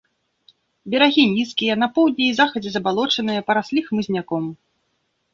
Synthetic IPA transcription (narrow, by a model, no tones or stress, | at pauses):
bʲɛɾaɣʲinʲiskʲijɐnɐpɔwd̪ʲnʲɛjzaxɐd͡zʲɛzɐbalˠɔt͡ʂɐnɨjɐpɐɾasʲlʲixmɨzʲnʲakɔm